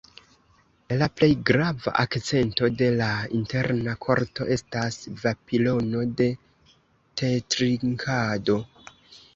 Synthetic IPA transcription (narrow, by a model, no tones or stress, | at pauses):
laple̞jɡɾava̰ʔakt͡se̞nto̞de̞lainte̞ɾnakʰo̞̰ɾto̞̰ʔe̞stasvapilo̞no̞de̞ | tʰetɾiŋkʰado̞